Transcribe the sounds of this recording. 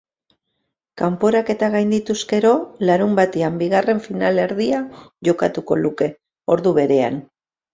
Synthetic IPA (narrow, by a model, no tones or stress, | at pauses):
kampo̞ɾake̞t̪aɣ̞ajnd̪it̪uske̞ɾo̞laɾumbat̪eambiɣare̞ɱfinale̞ɾðiaʝo̞kat̪uko̞̰luke̞ | o̞ɾðuβ̞e̞ɾe̞a̰n